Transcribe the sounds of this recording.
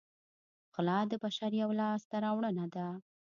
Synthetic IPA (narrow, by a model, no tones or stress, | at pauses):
xʊlɑd̪əbaʃaɾjawlɑst̪aɾɑwɳənad̪a